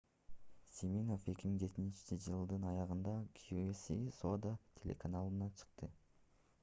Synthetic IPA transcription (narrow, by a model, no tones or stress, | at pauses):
sʲimʲino̞fe̞kʲimiŋd͡ʒe̞t̪inint͡ʃi̥t͡ʃid͡ʒɯlˠd̪ɯnɑjɑʁɯnd̪ɑkʰjuesisod̪at̪ʲʰe̞lʲḛkanalˠɯnɑt͡ʃʰɯ̥qt̪ɯ